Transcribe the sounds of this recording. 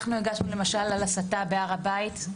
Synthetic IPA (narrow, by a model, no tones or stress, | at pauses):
χnuiɡaʃnule̞maʃalalasatabeaʁabait̪